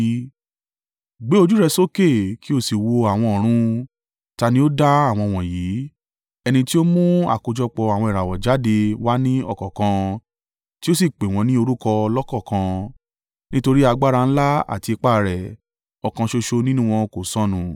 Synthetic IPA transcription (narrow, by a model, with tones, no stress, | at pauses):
ɡ͡be˦o˧d͡ʒu˦ɾɛ˧so˦ke˦˨ki˦o˦˨si˨wo˧a˨w̃ɔ̃˧ɔ˨ɾ̃ũ˧ | ta˧nĩ˧˦o˦da˦a˦˨w̃ɔ̃˧w̃ɔ̃˨jiː˨˦ | ɛ˧nĩ˧ti˦o˦mũ˦a̰˦˨ko˧d͡ʒɔ˧k͡pɔ˧a˨w̃ɔ̃˧i˨ɾa˨wɔ˨d͡ʒa˨˦de˧wa˦nĩ˦ɔ̰˦˨kɔ˨kã˧ | ti˦o˦s̬i˦˨k͡pe˨w̃ɔ̃˨˧˦nĩ˦o˧ɾu˦kɔ˧lɔ˦kɔ˦˨kã˧ | nĩ˦to˧ɾi˦a˧ɡ͡ba˦ɾa˧ñ̩˦la˦a̰˦˨ti˧i˧k͡pa˦˨˧ɾɛ˨ | ɔ˨kã˧ʃo˧ʃo˧nĩ˦nũ˦w̃ɔ̃˧ko˨sɔ̃˦nũ˨